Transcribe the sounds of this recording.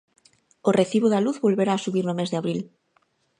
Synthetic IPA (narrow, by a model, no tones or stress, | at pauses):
oreθiβoðaluθβolβeɾaːsuβiɾnomezðeaβɾil